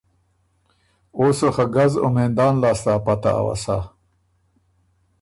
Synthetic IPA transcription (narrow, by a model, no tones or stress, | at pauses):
oːsoxaɡazʊ̰meːnd̪ɑːnlɑːst̪aːpat̪a̰ːwa̰sa